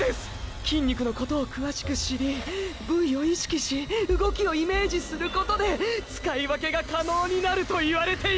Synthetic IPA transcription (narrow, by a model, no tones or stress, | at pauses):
esɨ̥kʲĩɲ̟ʲːikɯ̟no̞ko̞t̪o̞ːkɯ̟βaɕi̥kɯ̟ɕiɾʲibɯ̟̃jo̞iɕi̥kʲiɕiɯ̟ɡo̞kʲio̞ime̞ːʑisɨɾɯ̟ko̞t̪o̞d̪e̞t͡sɨ̥kaiβake̞ɡakano̞ːɲ̟inaɾɯ̟t̪o̞iβaɾe̞t̪e̞